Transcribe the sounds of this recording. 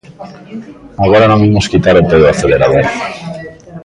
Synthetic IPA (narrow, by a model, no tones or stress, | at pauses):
aɣ̞oɾanomimoskit̪aɾet̪eðoaθe̞le̞ɾaðoɾ